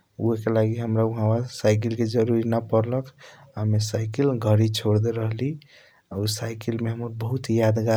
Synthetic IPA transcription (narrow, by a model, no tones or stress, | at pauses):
ṵɦekelaɡiɦəmɾauɦãwasaɪk̬ilked͡ʒəɾuɾinapəɾləkʰamesaɪkilɡʱəɾit͡ʃʰoɽd̪eɾəɦli | ausajkilmeɦəməɾbəɦut̪jad̪ɡa